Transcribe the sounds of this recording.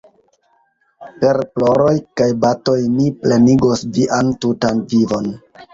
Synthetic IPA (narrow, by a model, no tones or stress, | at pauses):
pe̞ɾplo̞ɾo̞jkajbato̞jnipleniɡosviʔantutanvivo̞n